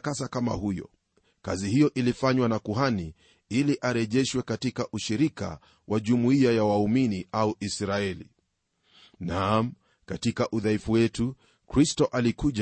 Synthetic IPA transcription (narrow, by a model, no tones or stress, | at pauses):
kasakama̰hujɔ̰ | ka̰zihijɔʔilifaɲwanakuɦani | iliʔaɾɛʄɛʃwɛkatikaʔuʃiɾika̰ | wʔaʄumuiajawauminiʔauʔisɾaɛlḭ | nam̩ | katikaʔuðaifuwɛtu | kɾistɔʔalikuʄ